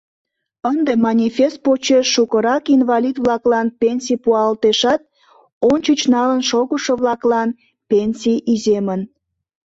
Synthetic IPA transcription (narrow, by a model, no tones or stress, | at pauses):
ənd̪emɑnʲifʲest̪̚pot͡ɕeʃːukəɾɑkinvɑlʲid̪βlɑklɑnpʲenʲsʲijpuɑlt̪eʃɑt̪̚ | ont͡ɕət͡ɕnɑlənʃoɣəʃəβlɑklɑn | pʲenʲsʲijizemən